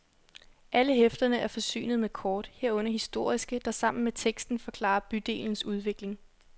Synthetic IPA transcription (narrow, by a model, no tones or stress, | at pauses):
ʔæləɦefd̥ɐnəʔæɐfɒ̽sy̰ːnð̞̩ˠmekʰɒːd̥heɐ̰ɔ̽n̰ɐɦisd̥o̝ɐ̰isɡ̥əd̥ɑ̈sɑ̈m̰n̩met͡sʰeɡ̥sd̥n̩fɒ̽kʰlɑ̰̈ːɐb̥yd̥e̝̰ːln̩suð̞ˠʋe̝ɡ̥le̝ŋ